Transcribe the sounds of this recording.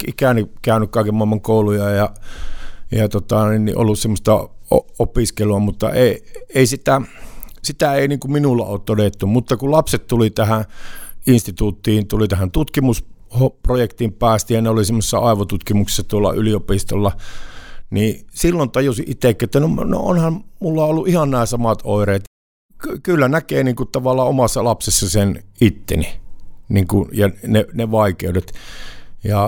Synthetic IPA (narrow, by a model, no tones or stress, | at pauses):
ikæˑnikæˑønykkɑˑikemuɑˑemːɑŋkoˑulujɑjɑ | jɑt̪ot̪ɑninnḭʔo̰lːussemːost̪ɑoopiskeluɑmut̪ːɑ̰eˑieˑisit̪æsit̪æeˑiniːŋkumminulːɑ̰oːt̪t̪odet̪ːumut̪ːɑkulɑpset̪t̪ulit̪æhæ̃ʔinst̪it̪uːt̪ːiːnt̪ulit̪æhænt̪ut̪kimus | hoprojekt̪impæːst̪ijɑneolisemːose̥sːɑ̰ɑˑeʋot̪ut̪kimuksi̥sːɑt̪uolːɑ̰ʔyliopist̪olːɑ | niːsilːont̪ɑjusiʔit̪ːˑekːiet̪ːænomno̰o̰nhɑmmulːɑolːuʔʔihɑnnæːsɑmɑt̪oireːt̪ | kylːænækeːniːŋkutt̪ɑʋɑlːˑɑomɑsːɑlɑpsesːɑsenit̪ːḛniniŋkujɑneneʋɑikeudet̪ | jɑ